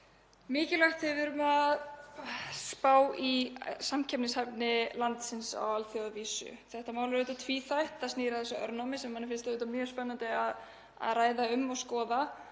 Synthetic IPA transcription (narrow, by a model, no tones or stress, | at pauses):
mɪːcɪlaht̪hɛvɪɾʏmað | spaːwisamcʰɛpnɪshapnɪlant̪sɪnsa̰walθjowðviːsʏ̰θɛht̪amaːwlɾʏːt̪at̪ʰviːθajht̪asniːɾaθɛsːʏʔœ̰ɾnamɪsɛmhanːɪɾfɪnst̪ʏːt̪amjœspɛnːant̪ɪað | a̰ðraːjðaʏmːɔɣskɔːða